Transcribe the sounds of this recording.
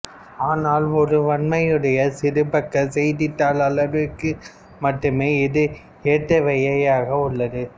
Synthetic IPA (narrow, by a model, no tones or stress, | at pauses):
aːnaːlɔɾɯʋɐɳmɐjɯɽɐjɐsɪɾɯbɐkːɐsɛjðɪt̪ːaːlɐɭɐɾɯkːɯ | mɐʈːɯmeːɪðɯ | eːʈ̪ːɐʋɛjɐjaːɣɐʊɭːɐðɯ